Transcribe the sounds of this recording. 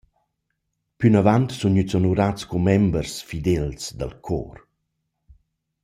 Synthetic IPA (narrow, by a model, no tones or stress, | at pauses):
pynavant̪sunɲyt͡sɔnuɾat͡skumɛmbəɾsfid̪ɛlsd̪ə̰lkʰɔ̰ːr